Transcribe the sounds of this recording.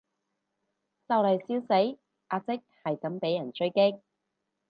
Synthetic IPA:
t͡sɐ˨wlɐ˨˩jsiː˨˥wse˨˥j | ʔaː˧t͡sɪ˥k̚hɐ˨jkɐ˨˥mpe˨˥jːɐ˨˩nt͡ʃɵ˥ɥkɪ˥k̚

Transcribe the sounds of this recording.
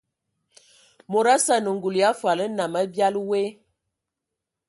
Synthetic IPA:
mo˨ɾa˦sa˦nə˨ŋ˨ɡu˨lja˦fwa˨lə˦na˨mə˦bja˦lwe˦

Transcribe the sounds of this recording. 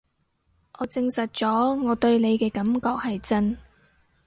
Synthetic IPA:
ʔɔː˨˧t͡sɪ˧ŋsɐ˨t̚t͡sɔː˨˥ŋɔː˨˧t̪ɵ˧ɥne˨˧jkɛː˧kɐ˨˥mkɔː˧k̚hɐ˨jt͡sɐ˥n

